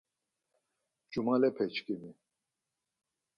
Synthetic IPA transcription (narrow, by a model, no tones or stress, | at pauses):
d͡ʒumalɛpʰɛt͡ʃkimi